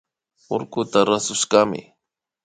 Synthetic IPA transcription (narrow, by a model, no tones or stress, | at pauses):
oɾkʊt̪aɾasʊʃɢɑmɪ̰